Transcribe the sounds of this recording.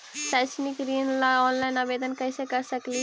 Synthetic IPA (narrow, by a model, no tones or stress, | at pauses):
saːt͡ʃnikɾiːnlaɔːnlaɪnaːbeːd̪ənkəisekɐɾsəkli